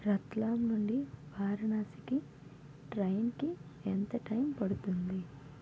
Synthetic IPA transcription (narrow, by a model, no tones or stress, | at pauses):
ɾɐt̪laːmnuɳɖiʋaːɾɐnaːsi̥ki | ʈɾɐjnkient̪ɐʈɐjmpɐɽut̪und̪i